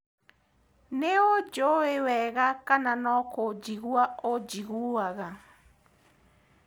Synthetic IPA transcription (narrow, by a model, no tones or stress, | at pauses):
neod͡ʒoewɛɣakananɔkod͡ʒiɣuaod͡ʒiɣuaɣa